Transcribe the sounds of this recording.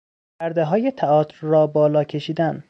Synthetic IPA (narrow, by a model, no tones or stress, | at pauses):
pʰæɾd̪eɦɒːje̞t̪ʰæɒːt̪ʰɾrɒːbɒːlɒːcʰe̞ʃiːd̪æn